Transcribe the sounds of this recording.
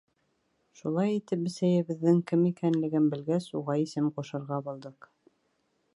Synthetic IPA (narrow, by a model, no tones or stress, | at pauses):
ʃulˠɑjit̪ɘp̚bɘ̆sæjɘ̆βɘ̆ðːɘŋkɘmikænlɘ̆ɡɘnbɘ̆lɡæsuʁɑisɘmquʃɤ̆ɾʁɑbulˠd̪ɤq